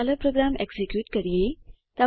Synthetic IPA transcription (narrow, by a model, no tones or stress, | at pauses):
aləpɾoɡɾameɡsekjuːʈkəɾije | t̪a